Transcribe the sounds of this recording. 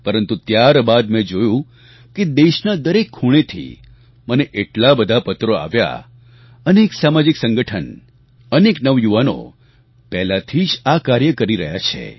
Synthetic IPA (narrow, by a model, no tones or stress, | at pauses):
pəɾənt̪ut̪jaɾbad̪mɛ̃d͡ʒojũ | ked̪eʃnad̪əɾekʰːuɽ̃et̪ʰḭ | məneʔeʈlabəd̪ʱapət̪ɾoa̰ʋja̰ | əneksamad͡ʒɪksəŋɡəʈʰən | əneknəʋjuʋano̰ | pɛɦlat̪ʰid͡ʒakaɾjəkəɾiɾəɦjat͡ʃʰḛ